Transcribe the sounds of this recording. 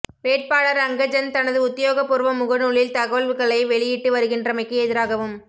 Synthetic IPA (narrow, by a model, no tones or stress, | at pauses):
ʋeːʈ̚paːɭɐɾɐŋɡɐd͡ʒɐnt̪ɐnɐðɯʊt̪ːɪjoːɣɐpːʊɾɯʋɐmʊɣɐɽuːɭɪlt̪ɐɣɐʋɐɭʋɯɣɐɭɐɪʋɛɭɪjɪʈːɯʋɐɾɯɣɪndrɐmɐɪkːɯɛðɪɾaːɣɐʋɯm